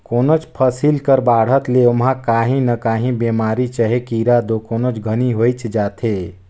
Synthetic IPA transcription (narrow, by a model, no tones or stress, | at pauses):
koːnot͡ʃpʰəsilkəɾbaːɽ̤ət̪leomɦãkaːɦĩnəkaːɦĩbeːmaːɾit͡ʃəɦekiːɾad̪okoːnot͡ʃɡʱəniɦoːjt͡ʃd͡ʒaːt̪ʰe